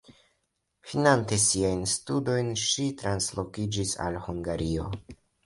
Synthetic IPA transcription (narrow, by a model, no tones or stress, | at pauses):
finante̞siajnstudo̞jnʃitɾanslo̞kid͡ʒisa̰lhuŋɡaɾio̞